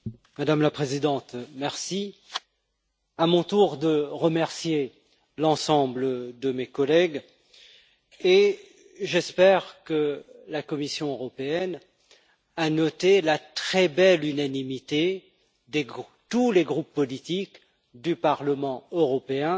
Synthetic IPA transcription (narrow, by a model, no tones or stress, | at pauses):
mad̪amlapχezid̪ɑ̃t̪mɛʁsi | amɔ̃t̪uʁd̪əʁəmɛʁsje | lɑ̃sɑ̃bləd̪əmekɔlɛɡ | e | ʒɛspɛʁkəlakɔmisjɔ̃øʁɔpeɛn | anɔt̪elat̪χɛbɛlynanimit̪e | d̪eɡ | t̪uleɡʁupːɔlit̪ik | d̪ypaʁləmɑ̃øʁɔpeɛ̃